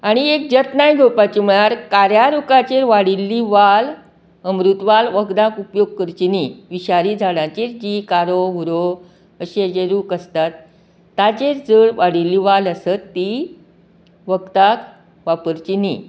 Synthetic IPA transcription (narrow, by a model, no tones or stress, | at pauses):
aɽ̃iek̚d͡ʑət̪najɡʱopat͡ɕimɭaɾkaɾjaɾukat͡ɕeɾʋaɽilːiʋal | əmɾut̪ʋalʋəɡd̪ãkupjoɡ̚kəɾt͡ɕiniʋiɕaɾid͡zʱaɽãt͡ɕeɾd͡ʑikaɾoɦuɾo | əɕed͡ʑeɾuːkəst̪at̪ː | at͡ɕeɾd͡zəɭʋaɽilːiːʋaləsət̪ːi | ʋəkt̪ak | ʋapəɾt͡ɕini